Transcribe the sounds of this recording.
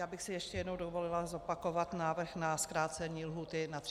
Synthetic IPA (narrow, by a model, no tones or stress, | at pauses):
jaːbɪxsɪjɛʃcɛjɛdnowdovo̞lɪlazo̞pako̞vat̪naːvr̩xnaskɾaːt͡sɛɲiːlɦuːt̪ɪnat̪